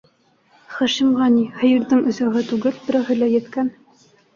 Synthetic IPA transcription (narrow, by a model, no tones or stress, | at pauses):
χæʃimʁɑnihɤ̆jɤ̆ɾðɤɴʔɵ̆zæɦɤt̪ʉɡɘlbɘ̆ɾæɦɘ̆læjɘ̆t̪kæn